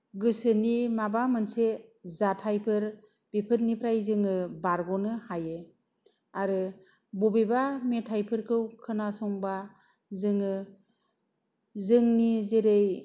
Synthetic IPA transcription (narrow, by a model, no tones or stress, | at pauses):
ɡɯsɯnimabamɯnsezatʰajpʰɯɾ | b̥epʰɯt̚nipʰɾajzɯŋɯbaɾɡɔnɯhaje | aɾɯ | bɔbebametʰajpʰɯɾkʰɯwkʰɯnasɔŋba | zɯŋɯ | zɯŋnizeɾej